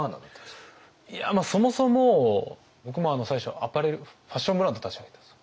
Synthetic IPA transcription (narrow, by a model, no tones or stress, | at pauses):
ana̰nt̪ːs | iamaːso̞mo̞so̞mo̞ | bo̞k̬ɯ̟mo̞anosaiɕo̞̰apaɾeɾɯ̟ɸaɕːõmbɯɾãnd̪o̞t̪ḁt͡ɕiβaɡet̪ḁs